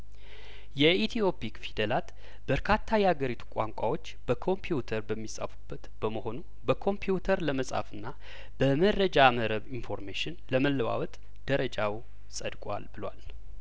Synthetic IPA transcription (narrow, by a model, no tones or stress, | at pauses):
jɛit̪ʰijo̞pʰikfid̪əlat̪ | b̥əɾkʰat̪ʰːajɛhaɡəɾit̪ʰu̥kʷʼaŋkʷʼawo̞t͡ʃːb̥əkʰo̞mpʰiut̪ʰəɾbəmːisʼa̰fu̥bːət̪b̥əməho̞nu | bəkʰo̞mpʰiut̪ʰəɾləməsʼa̰fɨnːa | b̥əmərːəd͡ʒaməɾəβinfo̞ɾmeʃɪnləməlːəwa̰wɔt̪ʼ | d̪̥əɾəd͡ʒaw | sʼəd̪kʼwa̰lbɨlwa̰l